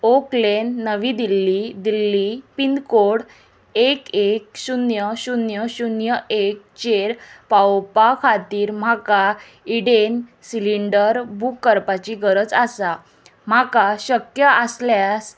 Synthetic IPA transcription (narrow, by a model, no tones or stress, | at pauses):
oklenːəʋiːd̪ilːid̪ilːipind̪koɽ | ekek̚ɕunjəɕunjəɕunjəek̚t͡ɕeɾpawpakʰat̪iːɾm̤aka | iɽensiliɳɖəɾbʱukːəɾpat͡ɕiɡəɾət͡sasa | m̤akaɕəkjəʔəsljas